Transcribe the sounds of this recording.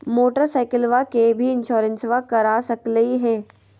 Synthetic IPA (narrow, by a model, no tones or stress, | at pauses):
moːʈəɾsaːɪkəlʋakebʱiɪ̃nʃoːɾə̃nsʋakɐɾaːsɐkləiɦɛː